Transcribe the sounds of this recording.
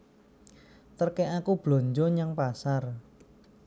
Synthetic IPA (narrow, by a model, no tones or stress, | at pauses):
t̪ərkɛʔakub̥lo̤ɲd͡ʒoɲaŋpasar